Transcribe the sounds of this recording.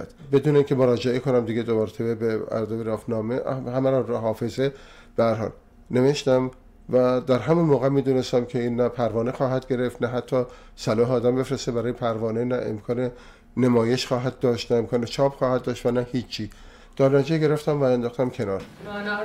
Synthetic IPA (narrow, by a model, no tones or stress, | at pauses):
d̪be̞d̪uːneiːŋcʰe̞moɾɒːd͡ʒeekʰonæmd̪iɡed̪omæɾt̪ʰebebeæ̰ɾd̪oveɾɒːfnɒːmeʔhæmæɾɔnɾɔɦɒːfe̞ze | b̥ehæɾɦɒ̰ːl | ne̞ve̞ʃt̪æm | væd̪æɾɦæmunmoːɣæmiːd̪uːnest̪æmkʰeiːnːæpʰæɾvɒːnexɒːɦæd̪ɡe̞ɾe̞ft̪næɦæt̪ʰːɒː | sælɒːhɒːd̪æmbe̞fɾest̪ebæɾɒːjepʰæɾvɒːnenæʔḛmkʰɒːne | nemɒːjeʃxɒːɦæd̪̚d̪ɒːʃt̪næemkʰɒːnet͡ʃʰɒːpxɒːhæd̪̚d̪ɒːʃt̪vænæhiːt͡ʃʰːiː | d̪̥ɒːɾnæd͡ʒeɡe̞ɾe̞ft̪æmvæænd̪ɒːxt̪æmkʲʰe̞nɒːɾ